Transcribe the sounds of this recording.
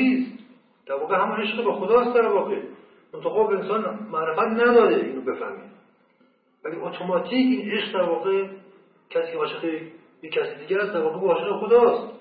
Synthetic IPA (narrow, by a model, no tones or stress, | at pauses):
iːst̪ | d̪̥æɾvɒːɣeɦæmune̞ʃɡebexod̪ɒːst̪d̪æɾvɒːɣe | mont̪ʰɑɣɑːbeensɒːnmæʔɾefæt̪næd̪ɒːɾeiːnobe̞fæ̰hmḭːd̪ | væliʔot̪ʰomɒːt̪ʰiːciːne̞ʃqd̪æɾvɒːɣe | cʰæsiːkʰʲeɒːʃexe | jekʰːæsid̪iːɟææst̪d̪æɾvɒːɣebeɒːʃeʁebexod̪ɒːst̪